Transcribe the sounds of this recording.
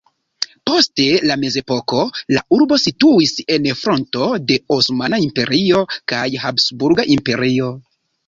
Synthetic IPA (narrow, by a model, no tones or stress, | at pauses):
po̞ste̞lame̞ze̞po̞ko̞la̰uɾbo̞situise̞nfɾo̞nto̞de̞osmanaimpe̞ɾio̞kajhapsbuɾɡaʔimpe̞ɾio̞